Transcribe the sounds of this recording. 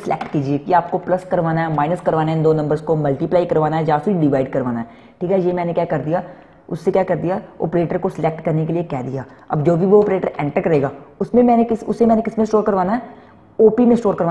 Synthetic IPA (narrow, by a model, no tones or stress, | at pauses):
slʔɛ̰ːkʈkiːd͡ʒiekiaːp̚koplɐskɐɾʋaːnaɦɛmaːɪnəskɐɾʋaːnaɦɛ̃d̪oːnɐ̃mbəɾskomɐlʈiplaːikɐɾʋaːnaɦɛd͡ʒaːsuiɖɪʋaːɪɖkɐɾʋaːnaɦɛː | ʈʰiːkɦɛjemɛːnekjaːkɐɾd̪ijaː | ʊsːekjaːkɐɾd̪ijaɔ̰ːpɾeːʈəɾkosɪleːk̚ʈkɐɾnek̬eliekɛːd̪ijaː | ɐ̰bd͡ʒoːbʱiʋoɔːpɾeːʈəɾɛ̃ːɳʈəɾkɐɾeːɡaːʊsmẽmɛ̃ːnekɪsʊ̰sːemɛ̃ːnekɪsmẽsʈoːɾkɐɾʋaːnaɦɛː | oːpimẽsʈoːɾkɐɾʋaː